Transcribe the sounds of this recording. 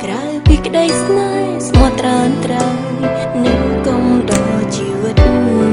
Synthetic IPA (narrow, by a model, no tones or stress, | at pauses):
krawpiːkɗəjsnaj | smot̪ːraənt̪rəw | nɨjkoŋɗɑt͡ɕiːʋɨt̪̚muuən